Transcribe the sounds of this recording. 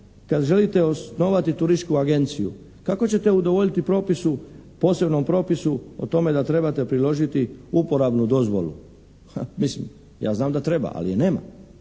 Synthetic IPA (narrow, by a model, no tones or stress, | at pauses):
kad̪ʒe̞lit̪e̞osno̞ʋat̪it̪uɾiʃkuaɡe̞nt̪sijṵ | kako̞t͡ɕe̞t̪e̞ud̪o̞ʋoʎit̪ipɾo̞ːpisupo̞ːse̞bno̞mpɾo̞ːpisuo̰t̪o̞me̞d̪at̪ɾe̞bat̪e̞pɾilo̞ʒit̪iupo̞ɾabnud̪o̞zʋo̞̰lṵ | hamislḭm | ja̰ːznaːmd̪at̪ɾe̞ba̰ʔa̰lḭjene̞ːma̰